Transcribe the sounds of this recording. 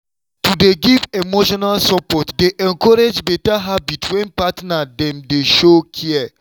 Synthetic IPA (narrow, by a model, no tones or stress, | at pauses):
tudeɡivemoʃɔnalsɔpɔtdeʔɛ̃nkɔɾed͡ʒbetaɦabitwɛ̃npatnadɛ̃mdeʃokʰiɛ